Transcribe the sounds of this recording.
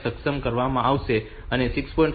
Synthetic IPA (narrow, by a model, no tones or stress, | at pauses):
səksəmkəɾʋamãaʋʃe | ənesikspɔĩɳʈ